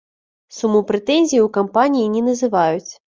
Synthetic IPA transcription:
sumupɾɛt̪ɛnʲzʲijwkampanʲijinʲɛnɐzɨvajut͡sʲ

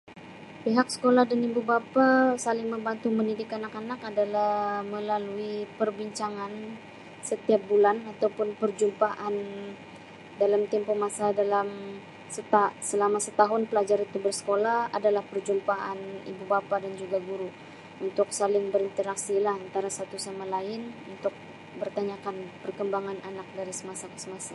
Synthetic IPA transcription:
piɦaksə̥kolahdanibubapasalɪŋməmbant̪uməndidɪkanakanakadalahməlaluipərbiɲt͡ʃaŋan | sət̪iap̚bulanat̪awpʊnpərd͡ʒumpaʔan | dalamt̪ɛmpomasadalam | sət̪asəlamasət̪aɦʊnpəlad͡ʒaɾit̪ubərsə̥kolaha̰dalahpərd͡ʒumpaʔanḭbubapadand͡ʒuɡaɡuɾu | unt̪ʊk̚salɪŋbəɾint̪əɾaksilahant̪aɾasat̪usamalaɪnunt̪ʊk̚ | bərt̪aɲakanpərkəmbaŋananak̚daɾisəmasakə̥səmasa

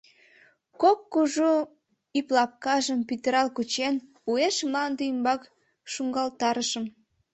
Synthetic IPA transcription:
kokːuʒu | iplɑp̚kɑʒəmpit̪əɾɑlkut͡ɕen | ueʃmlɑnd̪eimbɑk | ʃuŋɡɑlt̪ɑɾəʃəm

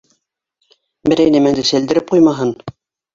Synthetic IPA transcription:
bɘ̆ɾæjnæmænd̪ɘsæ̆ld̪ɘ̆ɾɘp̚qujmɑɦɤn

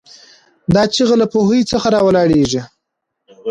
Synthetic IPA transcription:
d̪ɑt͡ʃiɣalapohəjt͡səxaɾɑwalɑɽeʐi

